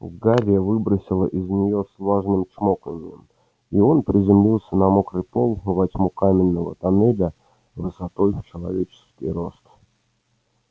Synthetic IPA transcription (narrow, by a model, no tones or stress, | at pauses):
ṵɡavʲɪjəvɨbɾəsʲɪlˠə̰ʔɪznʲɪjo̞slˠoʐnɨmt͡ɕmok̪ənʲɪjəm | io̞npɾʲɪzʲɪmlʲilˠsʲənɐmokɾɨpolˠvɐtʲmukamʲɪnːəvə̰t̪ɐnɛd̪ə | vɨsɐt̪o̞jt͡ɕɪlˠɐ̰vʲet͡ɕɪ̥skʲɪjɾo̞st̪